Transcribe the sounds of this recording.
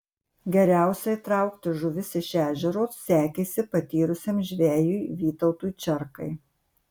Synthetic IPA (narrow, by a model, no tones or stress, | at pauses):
ɡʲɛɾʲæˑʊsʲɛit̪ɾɐˑʊkt̪ʲɪʒʊʋʲɪsɪʃʲæːʒʲɛɾoːssʲæːkʲeːsʲɪpɐt̪ʲiːɾʊsʲemʒʲʋʲæːjuːʋʲiːt̪ɐʊt̪uːjt͡ʃʲɛɾkɐɪ